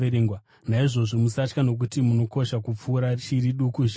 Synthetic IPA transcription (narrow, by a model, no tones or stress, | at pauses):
eeːŋɡwa | naiʐo̞ʐo̞musat͡ʃkano̞k̬utimuno̞ko̞ʃakup͡fuːɾat͡ʃiriɗukuʒ